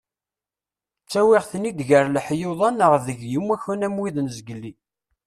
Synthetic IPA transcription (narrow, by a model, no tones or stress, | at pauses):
t͡sːæwɪʁθnid̪ʝəɾlħjoðˤɑnəʁðəʝjəmːæçunæmwiðnzɡəlːi